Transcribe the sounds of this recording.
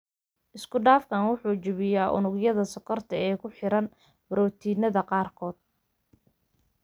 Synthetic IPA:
ʔɪskʰʊɖaːfkʰaːnwʊħuːt͡ʃɪβɪjaːʔʊ̰nʊɡjɐðɐsɔkʰɔrt̪ʰɐɛːkʰʊħɪɾɐn | bɾɔːt̪ʰiːnɐðɐqɑːrkʰɔːd̪̥̚

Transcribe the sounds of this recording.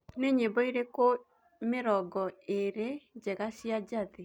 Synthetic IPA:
neɲebɔiɾeko | meɾɔɡɔeɾed͡ʒɛɣasjad͡ʒaðe

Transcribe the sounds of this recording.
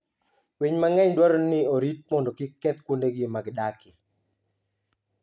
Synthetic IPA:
wiɲmaŋɛɲdwaɾɔnɪoɾit̚mɔndɔkɪkːɛt̪kwondeɡemaɡdakɪ

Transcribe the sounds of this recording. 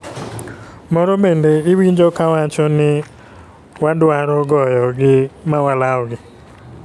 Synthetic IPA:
mɔɾɔbendeɪwiɲd͡ʒokawat͡ʃɔnɪ | wadwaɾɔɡɔjɔɡɪmawalaɔɡɪ

